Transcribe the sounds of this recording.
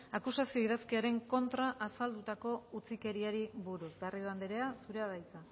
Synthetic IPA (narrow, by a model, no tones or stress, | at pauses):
akusasio̞iðaskiaɾe̞ŋko̞nt̪ɾaʔasald̪ut̪ako̞ut͡sike̞ɾiaɾiβuɾusɡariðuand̪eɾe̞asuɾe̞aðajt͡sa